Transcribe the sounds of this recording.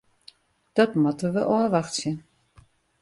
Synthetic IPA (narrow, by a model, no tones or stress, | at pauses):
d̥ɔtmɔtəʋəʔɔəʋaxtsjə